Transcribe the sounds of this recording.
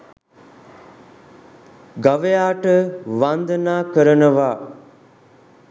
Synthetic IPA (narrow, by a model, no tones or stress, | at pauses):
ɡaʋejaːʈəʋand̪ənaːkəɾənəʋaː